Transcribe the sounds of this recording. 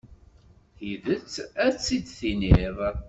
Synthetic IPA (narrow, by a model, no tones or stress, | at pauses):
θiðət͡sːæt͡sːid̪θiniðˤ